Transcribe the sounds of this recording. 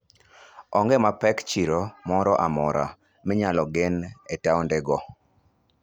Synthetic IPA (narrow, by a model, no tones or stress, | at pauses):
ɔŋɡɛmapɛkt͡ʃiɾomɔɾɔʔamɔɾa̰ | mɪɲalɔɡɪnetaɔndɛɡɔ